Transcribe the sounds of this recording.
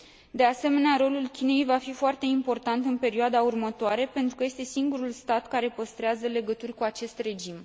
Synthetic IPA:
d̪e̞ase̞me̞neaɾo̞lulkʲine̞jvafifoart̪e̞impo̞rt̪ant̪ɨnpe̞ɾioad̪aurmət̪oaɾe̞pe̞nt̪ɾukəje̞st̪e̞siŋɡuɾulst̪at̪kaɾe̞pəst̪ɾeazəle̞ɡət̪urʲkuat͡ʃe̞st̪re̞d͡ʒim

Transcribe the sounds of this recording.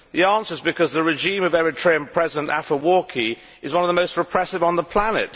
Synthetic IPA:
ðiɑ̃ˑnsə˞zbɨkʰʌzðəɹɪʒĩːməvɛɹɪtʰɹ̥eɪə̃npʰɹ̥ɛzɪdə̃nta̰fəwɔɹkʰi | ɪzwʌ̃nəvðəmoʊst̚ɹɨpʰɹ̥ɛsɪvn̩ðəpʰl̥anɪ̰t

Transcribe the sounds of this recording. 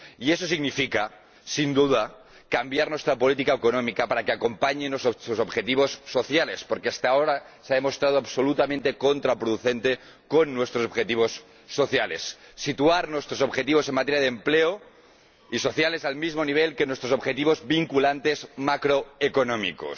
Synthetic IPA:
ieso̞siɣɡnifika | sind̪uða | kambjaɾnwe̞st̪ɾapolit̪̬ikaekonomikapaɾakeako̞mpaɲenosoosobxet̪iβ̞o̞sːo̞θjalespoɾkeast̪aoɾa | seaðemo̞st̪ɾað̞oaβso̞lut̪ament̪e̞ko̞nt̪ɾapɾoðuθent̪e | ko̞nːwe̞st̪ɾosobxet̪iβo̞sː | o̞θjalesːit̪uaɾnwe̞st̪ɾoso̞bxet̪iβ̞o̞senmat̪eɾjaðempleo | iso̞θjale̞salmizmo̞niβ̞elkenwest̪ɾoso̞bxet̪iβo̞zbiŋkulant̪e̞zmakɾoekonõmḭko̰s

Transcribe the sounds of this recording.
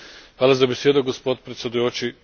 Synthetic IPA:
xʋaːlˠazabesjed̪oɡospod̪pɾet̪sjed̪ujot͡ʃi

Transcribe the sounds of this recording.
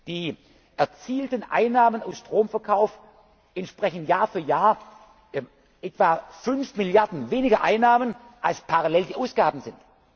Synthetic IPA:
d̥iː | ʔɛɐt͡siːltənʔa̰ɪnːaːmənaʊsʃtʁ̥oːmfɛɐkʰaʊf | ʔɛntʃpʁ̥ɛçn̩tjaːɐfyːɐjaːɐ | ʔɛtv̥aːfʏnfmɪljaɐdn̩veːnɪɡɐʔa̰ɪnːaːmən | ʔalspʰaʁalɛldiːʔaʊsɡ̥aːbn̩zɪnt

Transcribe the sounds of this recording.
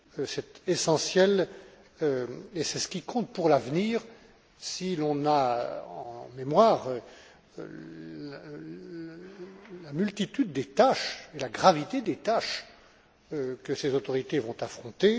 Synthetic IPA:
sɛt̪esɑ̃sjɛl | øesɛsə̥kʲikɔ̃t̪̚puʁlavniːʁ | silɔ̃naɑ̃memwaːʁø̰ | lamylt̪it̪yd̪ːet̪aʃelaɡʁavit̪ed̪et̪aʃ | økəsezot̪ɔʁit̪evɔ̃t̪afχɔ̃t̪e

